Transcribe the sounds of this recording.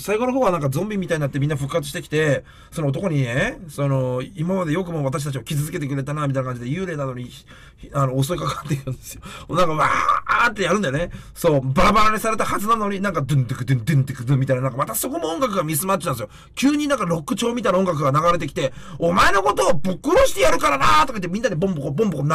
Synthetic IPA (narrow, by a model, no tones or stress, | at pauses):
saiɡo̞noɦoːɡanãŋkazõ̞mbʲimʲːit̪aiɲinat̪ːemʲĩnːaɸɯ̟kːat͡sɨɕit̪ekʲi̥t̪e̞ | so̞noot̪̬o̞ko̞ɲ̟ineso̞no̞imamad̪e̞jo̞k̬ɯ̟mo̞βat̪aɕit̪at͡ɕ̬iokʲizɨzɨke̞t̪e̞k̬ɯ̟ɾe̞t̪anamʲit̪ainakãɲd͡ʑid̪e̞jɯːɾe̞ːnano̞ɲ̟i | ano̞ːs̬o̞ikakat̪ːeɾɯ̃nd̪e̞sɨjomonãŋkaβat̪ːe̞jaɾɯ̟najoneso̞ːbaɾabaɾaɲʲisaɾe̞t̪ahazɨnano̞ɲ̟inãŋkad̪ɯ̟̃nd̪ɯkɯd̪ɯ̃nd̪ɯ̃nd̪ɯkɯ̟d̪ɯ̃mːit̪ainanaŋkamat̪aso̞ko̞moõŋɡakɯ̟ɡamʲis̬ɨmat̪ːe̥t̪ãnd̪sjo | kʲɨːɲ̟inãŋkaɾo̞kːɯ̟t͡ɕo̞ːmʲit̪ainao̞ŋɡak̬ɯ̟ɡanaɣaɾe̞t̪̬e̞kʲi̥t̪e̞ | omaeno̞ko̞t̪o̞ːbokɯɾo̞ɕi̥t̪e̞jaɾɯ̟kaɾanat̪o̞kait̪ːemʲĩnːad̪ebõ̞mbokobõ̞mbokon